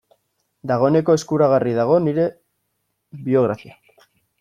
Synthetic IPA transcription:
d̪aɣ̞o̞ene̞ko̞e̞skuɾaɣ̞ariðaɣ̞o̞niɾe̞ | βio̞ɣ̞ɾafia

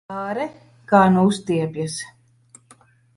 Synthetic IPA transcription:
aːɾɛ | kaːnuust̪iɛpʲjas

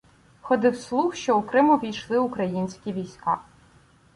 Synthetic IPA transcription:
xɔd̪ɪwslˠuxʃt͡ʃɔʊkɾɪmʊʋʲijʃlˠɪʊkɾɐjinʲsʲkʲiʋʲijsʲka

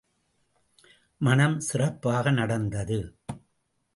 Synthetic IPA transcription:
mɐɳɐmsɪrɐpːaːɣɐnɐɽɐnd̪ɐðɯ

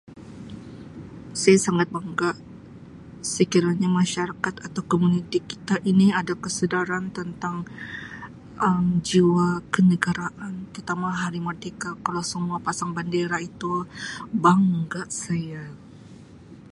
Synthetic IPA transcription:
sajasaŋat̪̚baŋɡaʔ | səkiɾaɲamaʃaɾakat̪at̪awkomunit̪iki̥t̪aʔiniadakəsədaɾant̪ənt̪aŋ | əmd͡ʒiwakənəɡaɾaʔant̪ərt̪amaɦaɾimərd̪ekakalawsəmuapasaŋbandeɾait̪ubaŋɡaʔsaja

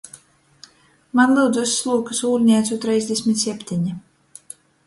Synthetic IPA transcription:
manlˠɨwd̪zuslˠuːkasuːlʲnʲɛːt̪sut̪ɾɛjzʲd̪ʲesʲmʲit̪ʲsʲɛpʲt̪ʰʲiɲi

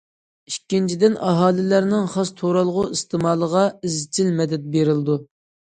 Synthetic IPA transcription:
ikʲːint͡ʃʰid̪ɪnɑɦɑːlˠɪlæɾnɪŋχɑst̪ʰoɾɑlˠʁʊist̪ʰɪmɑːlˠəʁɑizt͡ʃʰɪlmɛd̪ɛt̪̚beɾɪld̪u

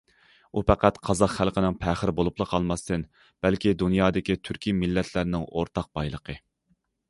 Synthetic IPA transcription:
upæqæt̪qʰɑzɑqχælˠqənɪŋpʰæχəɾɪbolˠuplˠəqʰɑlˠmɑst̪ɨn | b̥ɛlkʲid̪unjɑːd̪ɪkʲit̪ʰyɾkʲimɪlːɛt̪ʰlɪɾnɪŋo̰ɾt̪ʰɑq̚b̥ɑjlˠəqʰə

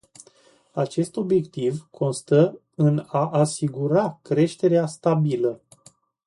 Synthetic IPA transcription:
at͡ʃe̞st̪o̞bje̞kt̪ivkʰo̞nst̪ə | ɨnaʔasiɡuɾakɾe̞ʃt̪e̞ɾeast̪abilə

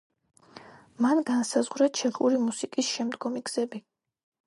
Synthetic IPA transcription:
manɡansazʁɾat͡ʃʰɛχuɾimusikʼisʃɛmd̪ɡɔmiɡz̥ɛbi

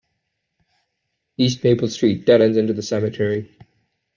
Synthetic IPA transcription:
iˑstneɪpəlˠstɹ̥iˑt̚d̥ɛɾə̃nzɪ̃ntuʉðəsɛmɨtʰɛɹi

